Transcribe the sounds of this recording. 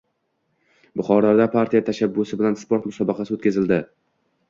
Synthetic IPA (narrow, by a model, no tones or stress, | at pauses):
bʊχɒɾaɾd̪apʰaɾt̪ʰijat̪ʰaʃabːʊsɪbɪlanspoɾt̪mʊsɒbɪqʰɑsɪot̪kʲazɪld̪ɪ